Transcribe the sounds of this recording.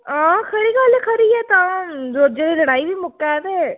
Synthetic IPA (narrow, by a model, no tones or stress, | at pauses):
ãːkʰəɾiːɡəlkʰəɾiːɛːt̪ãːzoːɾd͡ʒeːdiːləɽ̃aːiʋiːmʊkːɛːʋeː